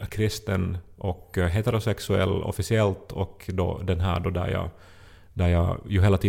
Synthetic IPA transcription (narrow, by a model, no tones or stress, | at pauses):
kʰɾɪst̪ənʔɔkɦeːt̪ɛɾʊsɛksʉɛ̰lːɔ̰fɪsɪɛlt̪ɔkd̪o̰ːd̪ɛnɦæːɖoːd̪æ̰ɾjɑ̰ː | d̪æɾjɑːjʊɦeːlːat̪ʰiː